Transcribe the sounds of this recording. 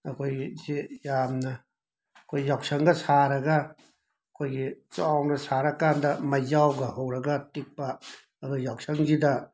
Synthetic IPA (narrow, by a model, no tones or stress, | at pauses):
ɐkʰojzijamnɐ | kʰojːawk̚sɐŋɡɐsaɾɐɡɐ | ɐkʰojɡit͡ʃawnɐsaɾɐkandɐmɐjzawɡɐɦɐwɾɐɡɐtik̚pɐː | dujawk̚sɐŋzidɐ